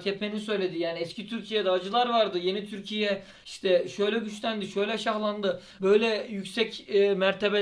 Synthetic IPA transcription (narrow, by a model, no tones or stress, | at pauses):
cʰɛp̪menisø̞jlʲe̞d̪ijaːniɛscʰit̪ʰyɾcʰijɛd̪ɛːd͡ʒɯlˠaɾvaɾd̪ɯje̞nit̪ʰyɾcʰijɛ | iʃt̪ʰɛʃø̞jlʲɛɟyʃlʲænd̪iʃøjlʲɛʃaxlˠand̪ɯ | bø̞jlʲɛjycsɛcːmæɾt̪ʰebe